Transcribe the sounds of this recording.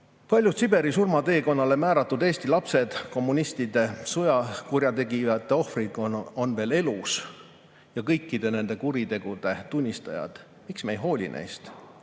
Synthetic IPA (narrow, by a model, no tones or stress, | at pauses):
pɑlʲjust̪sibe̞ɾisurmɑt̪e̞ːko̞nːɑle̞mæːɾɑt̪ːˑud̪e̞ːst̪ilɑpse̞d̪̥ko̞mːunist̪id̪̥e̞sojɑkurjɑt̪e̞ɡijɑt̪ːˑe̞o̞hfrikoonve̞ːle̞lus | jɑkɤ̞jkˑːid̪̥e̞ne̞nd̪̥e̞kuɾit̪e̞ɡ̥ud̪̥e̞t̪unʲːist̪ɑ̰jɑ̰d̪̥ | miksmejɦo̞ːlʲḭnʔḛjst̪